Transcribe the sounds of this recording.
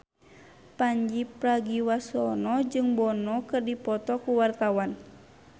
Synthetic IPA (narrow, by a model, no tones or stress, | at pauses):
paɲd͡ʒipɾaɡiwasɔnɔd͡ʒɨŋbɔnɔkɨrdipɔt̪ɔkuwart̪awan